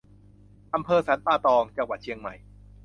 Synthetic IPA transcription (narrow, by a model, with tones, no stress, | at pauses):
ʔa˧mpʰɤː˧sa˩˦˥np̪aː˥˩t̪ɔː˧ŋt͡ɕa˧ŋwa˨˩t̪̚t͡ɕʰi˧əŋma̰˨˩j